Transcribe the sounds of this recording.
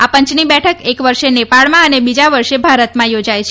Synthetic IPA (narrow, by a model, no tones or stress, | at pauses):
apəɲt͡ʃnibɛʈʰəkekʋəɾʃenepaɭmãənebid͡ʒaʋəɾʃebʱaɾət̪mãjod͡ʒajt͡ʃʰe